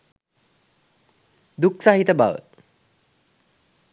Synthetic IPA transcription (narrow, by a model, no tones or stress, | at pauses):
d̪uksaɦit̪əba̰ʋə̰